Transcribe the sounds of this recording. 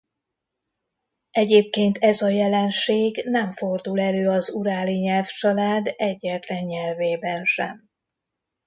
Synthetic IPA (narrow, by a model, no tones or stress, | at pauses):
ɛɟeːp̚keːnt̪ʰɛzɒjɛlɛnʃeːɡnɛɱfo̞rd̪ulɛløːɒzuɾaːliɲɛlft͡ʃɒlaːd̪ɛɟːɛt̪lɛɲːɛlveːbɛnʃɛ̰m